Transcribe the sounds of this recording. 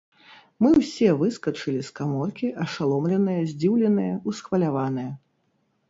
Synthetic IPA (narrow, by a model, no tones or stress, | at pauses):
mɨwsʲɛvɨskɐt͡ʂɨlʲiskamɔrkʲiʔɐʂalˠɔmlʲɛnɨjɐzʲd͡zʲiwlʲɛnɨjɐusxvɐlʲavanɨjɐ